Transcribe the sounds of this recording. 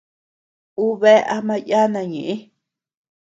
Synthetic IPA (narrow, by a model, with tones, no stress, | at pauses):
u˦βe˦ʔa˧mã˦ja˦nã˧˨ɲẽ˨ʔẽ˦